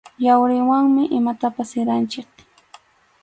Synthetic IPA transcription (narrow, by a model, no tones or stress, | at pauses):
jawɾɪwaŋmɪʔɪmat̪apasɪɾant͡ʃɪk